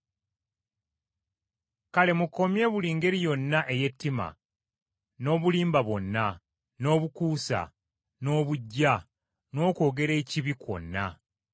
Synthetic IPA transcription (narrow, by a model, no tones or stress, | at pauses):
kale̞mukːo̞mje̞ːβuliːŋɡe̞ɾijo̞nːaʔe̞je̞tːima̰ | no̞ːβuliːmbaβwo̞nːa | no̞ːβukuːsa̰ | no̞ːβuɟːa | no̞ːko̞ːɡe̞ɾe̞ːciβikwo̞̰nːa